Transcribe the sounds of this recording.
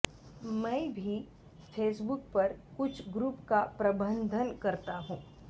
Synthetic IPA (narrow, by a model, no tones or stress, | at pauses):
mɛ̃ːbʱi | fʰeːsbʊk̚pɐɾkʊt͡ʃʰɡɾuːpkapɾɐbə̃nd̪ʱənkɐɾt̪aɦũː